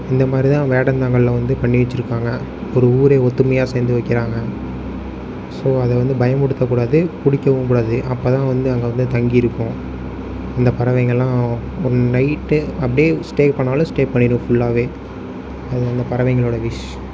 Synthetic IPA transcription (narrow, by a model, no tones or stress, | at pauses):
ɪnd̪ɐmaːd̪ɾit̪ãːʋeːɽɐnd̪aːŋɡɐɭlɐ̃ʋɐnd̪ɯpɐɳːɪʋɛt͡ʃːɪɾɯkːaːŋɡɐ | ɔɾɯuːɾeːɔt̪ːɯmɐjaːseːnd̪ɯʋɐɪkːɪɾaːŋɡɐ | soːɐðɛʋɐnd̪ɯbɐjɐmʊɽɯt̪ːɐkːuːɽaːðɯpʊɽɪkːɐʋɯ̃kuːɽaːðɯʔɐpːoːt̪ãːʋɐnd̪ɯɐŋɡeʋɐnd̪ɯt̪ɐŋɡijɪɾɯkːʊ̃ | ɐnd̪ɐpɐɾɐʋɛɪŋɡɐɭlːãː | ɔɾɯnɐɪʈːɯɐp̬ːɐɽijeːsʈeːkpɐɳːaːlɐ̃sʈeːpɐɳːɪɾɯ̃fʊɭːaːʋeː | ɐðɯɐnd̪ɐpɐɾɐʋɐɪŋɡɐɭoːɽɐʋɪʂ